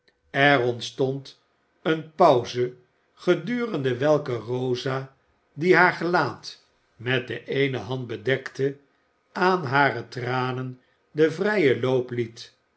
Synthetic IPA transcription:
ɛʁɔntstɔnt | ənpɑwzə | χədyːrəndəʋɛlˠkərowza | diɦaːɹχəlaːt | mɛt̚dəʔejnəɦɑnd̚bədɛktə | aːnɦaːrətraːnən | dəvrɛjəlowplit

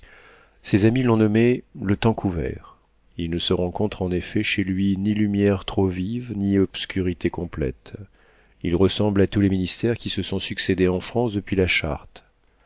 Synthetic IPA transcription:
sezamilɔ̃nɔmelət̪ɑ̃kʰuvɛ̰ʁ | ilnəsəʁɑ̃kɔ̃t̪χɑ̃nefɛʃelɥinilymjɛʁt̪χovivniɔpskʲyʁit̪ekɔ̃plɛ̰t̪ | ilʁəsɑ̃blat̪uleminist̪ɛʁkʲisəsɔ̃syksed̪eɑ̃fχɑ̃sd̪əpɥilaʃa̰ʁt̪

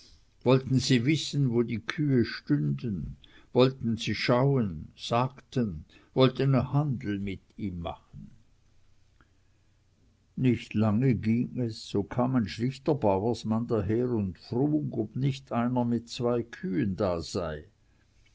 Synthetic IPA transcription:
vɔltn̩ziːvɪsn̩voːdiːkʰyːəʃtʏndən | vɔltn̩z̥iːʃaʊənz̥aːktən | vɔltənhandl̩mɪtiːmːa̰χən̩ | nɪçtlaŋəɡiːŋɛsːoːkʰaːmaɪnʃlɪçtɐbaʊəsmandaːɦeːʁʊntfʁuːɡɔb̥nɪçtʰaɪnɐmɪtt͡sv̥aɪkʰyːəndaːz̥aɪ

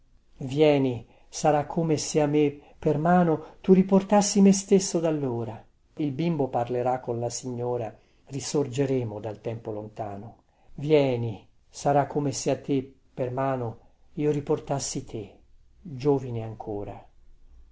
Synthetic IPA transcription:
vjɛːni | saɾakʰːomeseamepːermaːnot̪uriport̪asːimest̪esːod̪alːoːɾa | ilbimboparleɾakːonlasiɲːoːɾa | risord͡ʒeɾɛːmod̪alt̪ɛmpolont̪aːno | vjɛːni | saɾakʰːomeseat̪ːepːermaːno | iːoɾiport̪asːit̪ʰe | d͡ʒoːvineaŋkʰoːɾa

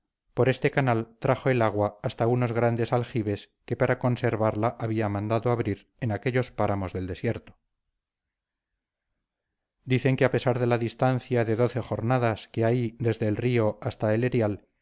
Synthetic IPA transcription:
po̞ɾe̞st̪e̞kanalt̪ɾaχo̞elaɣ̞waːst̪auno̞zɣ̞ɾand̪e̞salxiβe̞s | ke̞paɾako̞nse̞ɾβaɾlaʔaβiamãnd̪aðoaβɾiɾ | e̞nake̞ʎo̞spaɾamo̞zðe̞ld̪e̞sje̞ɾt̪o̥ | d̪iθe̞ŋkeape̞saɾðe̞laðist̪an̟θjaðe̞ðo̞θe̞xo̞ɾnaðaskeajðe̞zðe̞ːlrio̞ʔast̪aele̞ɾjal

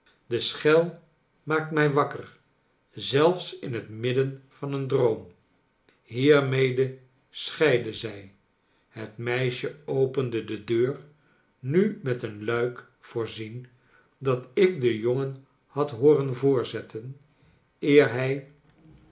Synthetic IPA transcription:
dəsχɛlˠ | maːk̚tmɛjʋɑkər | zɛlˠfsɪnɦətmɪdənv̥ɑnəndrowm | ɦiːɹmejdə | sχɛjdəzɛj | hətmɛjʃəowpəndədədøːɹ | nymɛtənlœɥk | fʊːɹzin | dɑtɪk̚dəjoŋən | hɑtɦʊːrənvʊːɹzɛtʰən | ɪːɹɦɛj

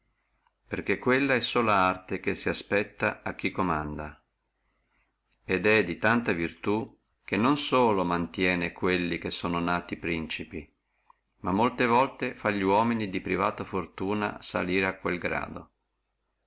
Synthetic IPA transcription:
perkekːwelːaɛsːoːlaart̪ekesːiaspɛt̪ːa̰ak̟ːikːomand̪a | ed̪ɛd̪it̪ant̪avirt̪u | k̟enːonsoːlomant̪jɛːnekwelːik̟esːoːnonaːt̪ipɾint͡ʃipi | mamːolt̪evɔlt̪efaʎːiwɔːminid̪ipɾivaːt̪afort̪uːna̰sa̰liːɾeakːwelɡɾa̰ːd̪o̰

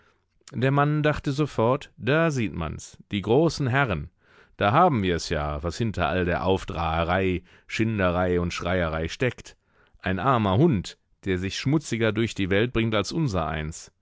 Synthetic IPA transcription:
d̥eːɐmandaχtəzofɔɐtd̥aːziːtma̰nsd̥iːɡʁoːsn̩ɦɛʁən | d̥aːɦaːbm̩viːɐɛsja̰ːvashɪntʰɐ̰ʔa̰ldeːɐʔaʊfd̥ʁaːəʁaɪ | ʃɪndəʁaɪʊntʃʁ̥aɪəʁaɪʃtɛkt | ʔaɪnʔaɐmɐhʊnt | d̥eːɐzɪçʃmʊt͡sɪɡɐdʊɐçd̥iːvɛlt̚b̥ʁɪŋtalsʔʊnzɐ̰ʔa̰ɪns

